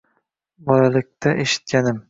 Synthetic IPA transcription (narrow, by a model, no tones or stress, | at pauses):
bɒlalɪk̚ʲt̪ʰaʔeʃɪ̥t̪̚kʲʰanɪm